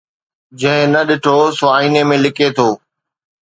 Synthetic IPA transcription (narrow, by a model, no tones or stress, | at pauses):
d͡ʑɐ̃ɦɪ̃nɐɗɪʈʰosoaːiːnemẽlɪkʰet̪ʰoː